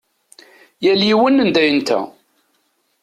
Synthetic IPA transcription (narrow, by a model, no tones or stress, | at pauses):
jæljiwənːənd̪æjənt̪æ̰